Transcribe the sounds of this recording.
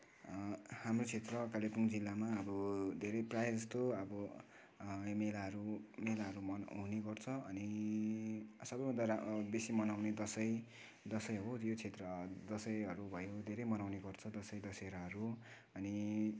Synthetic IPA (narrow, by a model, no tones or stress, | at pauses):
hamrot͡sʰet̪rʌkalepuŋd͡zilːamaʌbʌd̪ʱeɾʌjprajd͡zʌst̪oʌbʌ | melaɦʌɾumelaɦʌɾumʌɦuneɡʌrt͡sʰʌʌni | sʌbʌjbʱʌ̃nd̪arbesimʌnawned̪ʌsʌj | d̪ʌsʌjɦojot͡sʰet̪rʌd̪ʌsʌjʌɾubʱʌjod̪ʱeɾʌjmʌnawneɡʌrt͡sʰʌd̪ʌsʌjd̪ʌseɾʌɦʌɾu | ʌni